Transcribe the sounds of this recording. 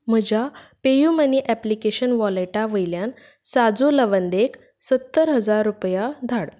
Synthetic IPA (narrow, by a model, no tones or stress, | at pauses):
m̤əd͡ʑapejuməniʔæplikeɕənʋɔleʈaʋəjljan | sad͡zoləʋənd̪ek | sət̪ːəɾɦəd͡zaɾːupjad̪ʱaɽ